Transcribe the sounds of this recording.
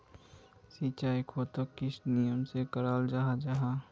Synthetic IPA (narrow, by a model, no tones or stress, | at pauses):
sit͡ʃaːikʰoːt̪okːɪsnijəmsekəɾaːld͡ʒaːɦad͡ʒaɦaː